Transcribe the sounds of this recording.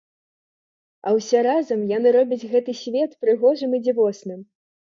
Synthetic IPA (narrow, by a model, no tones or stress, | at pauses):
ɐwsʲɛɾazɐmjanɨɾɔbʲɐd͡zʲɣɛt̪ɨsʲvʲɛt̪pɾɨɣɔʐɨmid͡zʲivɔsnɨm